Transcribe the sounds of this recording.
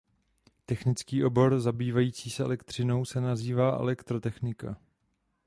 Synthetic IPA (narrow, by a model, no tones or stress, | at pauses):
t̪ɛxnɪt͡skiːʔo̞bo̞ɾzabiːvajiːt͡siːsɛʔɛ̰lɛkt̪r̝̥ɪno̞wsɛnaziːvaːʔɛ̰lɛkt̪ɾot̪ɛxnɪka̰